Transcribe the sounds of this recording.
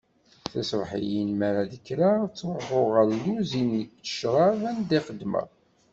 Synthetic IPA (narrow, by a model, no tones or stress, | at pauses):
θæsvħḭjinmæɾaðəkːɾat͡sːɾfʊʁəɾluzinːəkt͡sə̥ʃɾˤɑvænd̪iχəd̪mæ̰